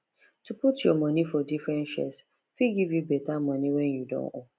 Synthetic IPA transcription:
tuputjɔmʌ̃nifɔdifɾɛ̃nʃɛ̰s | fiɡivjubɛtamʌ̃niwɛ̃njudõ̰no̰

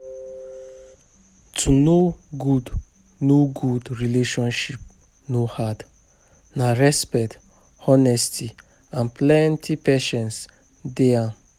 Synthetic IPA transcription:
tʰunoɡud | noɡudɹileʃɔ̃nʃip̚ | nohad | naɹɛspɛt | ɔnɛstʰi | ãnplɛ̃ntʰipeʃɛ̃ns | dea

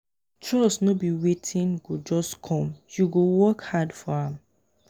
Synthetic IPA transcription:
tɹɔsnobiwetʰĩnɡod͡ʒɔskʰɔ̃mjuɡowɔkhadfɔãm

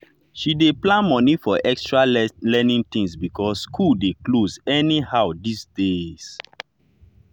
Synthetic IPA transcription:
ʃideplãnmɔ̃nifɔʔɛkstɹalɛnĩŋt̪ĩŋsbikʰɔsːkʰuldeklozɛnihawdisdes

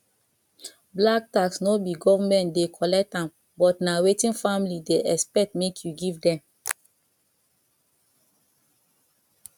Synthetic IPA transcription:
blak̚taksnobiɡɔvamɛ̃ntdekʰɔlɛk̚tãm | bɔtnawetĩnfamilideʔɛspɛk̚tmekʰjuɡivdɛ̃m

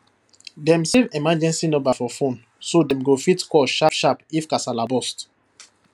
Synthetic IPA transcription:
dɛ̃msevɛmad͡ʒɛ̃nsinɔbafɔfõn | sodɛ̃mɡofitkɔʃafʃapifkasalabɔst

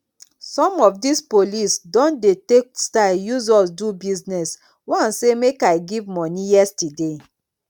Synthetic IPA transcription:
sɔ̃mɔfdispolisdɔ̃ndetekstajuzɔsdubiznɛs | wansemekaɪɡivmɔnijɛstide

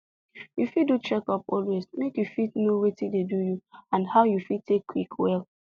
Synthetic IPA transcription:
jufidut͡ʃɛkɔpɔlwezmekjufidnowetidedujuãndhaʊjufitʰekʰːwikʰwɛl

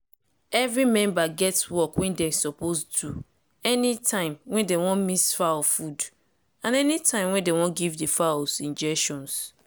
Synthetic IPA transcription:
ɛvɹimɛ̃mbaɡɛtswɔkwɛ̃ndɛsɔpostʰu | ɛnitʰãɪ̃mwɛ̃ndewɔ̃nmisfafud | ãnɛnitʰãɪ̃mwɛ̃ndewɔ̃nɡivdefasĩnd͡ʒɛkʃɔ̃ns

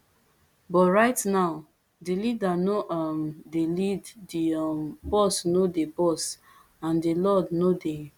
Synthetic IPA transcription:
bɔtɹaɪtnaʊ | dilidanoʔɔmdeliddibɔsnodebɔs | ãndilɔdnode

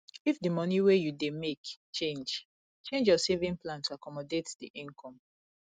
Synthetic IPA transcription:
ifdimɔniwejudemekt͡ʃẽnd͡ʒ | t͡ʃẽnd͡ʒjɔsevĩŋplãntuakɔmɔdetdḭʔĩŋkʰɔ̃m

